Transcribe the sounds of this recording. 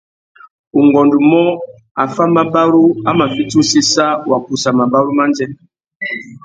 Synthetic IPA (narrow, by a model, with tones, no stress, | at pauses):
u˨ŋɡɔ˨ndu˨mɔ˦ | a˨fa˦ma˨ba˦ɾu˦a˦ma˨fi˦tu˦si˦sa˦wa˨ku˨sa˨ma˨ba˦ɾu˦ma˦nd͡ʒɛ˦